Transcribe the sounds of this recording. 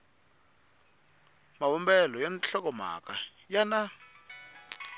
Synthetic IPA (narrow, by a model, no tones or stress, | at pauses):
mawɔmbɛlɔjanɬɔk̬ɔma̰kajana